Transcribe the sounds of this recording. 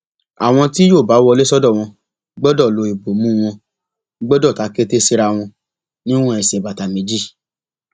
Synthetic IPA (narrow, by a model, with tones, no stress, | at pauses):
a˨w̃ɔ̃˧ti˦joː˦˨ba˨˦wɔ˧le˦sɔ˦dɔ˦˨w̃ɔ̃˧ | ɡ͡bɔ˦dɔ˦˨lo˨˧i˨bo˨mũ˦˧w̃ɔ̃˧ | ɡ͡bɔ˦dɔ˦˨ta˨˦ke˦te˦si˧ɾa˧w̃ɔ̃˧ | nĩ˦w̃ɔ̃˦ɛ˨sɛ˨ba˨ta˨mẽ˨˦d͡ʒi˦˨